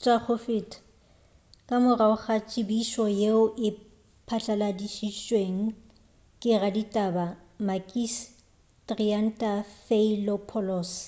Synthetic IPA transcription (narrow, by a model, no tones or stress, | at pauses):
t͡ʃʼak͡xʰʊfɪtʰʼ | kʼamʊraʊχat͡ʃʼɪbiʃɔjeʊʔɪ | pʰat͡ɬʼaladiʃit͡ʃʼweŋ̩ | kʼɪraditʼabamakʼis | tʼrian̩tʼafeilɔpʰɔlɔːs